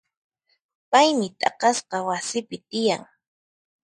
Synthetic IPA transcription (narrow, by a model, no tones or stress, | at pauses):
pajmɪt̪ʼɑ̰qɑsqɑwasɪpɪt̪ɪjaŋ